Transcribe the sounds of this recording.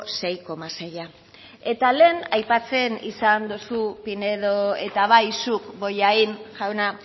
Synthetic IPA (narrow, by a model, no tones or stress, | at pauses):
se̞jko̞maseja | e̞t̪ale̞ːnajpat͡se̞nḭsand̪usupineðoe̞̰t̪aβ̞ajsukbo̞jainʝawna